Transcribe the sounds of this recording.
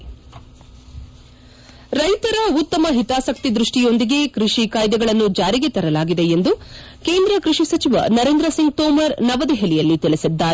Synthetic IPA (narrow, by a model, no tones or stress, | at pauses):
ɾɐjt̪ɐɾɐut̪ːɐmɐɦit̪aːsɐk̚t̪id̪ɾuʂʈijo̞nd̪iɡe̞kɾiʂikaːjd̪ɐɡɐɭɐnːud͡ʒaːɾiɡe̞t̪ɐɾɐlaːɡid̪e̞end̪u | ke̞ːnd̪ɾɐkɾiʂisɐt͡ʃiʋɐ̰nɐɾe̞ːnd̪ɾɐsiŋɡ̚t̪ɔːmɐɾnɐʋɐd̪eɦelijɐlːit̪ɛɭesid̪ːaːɾ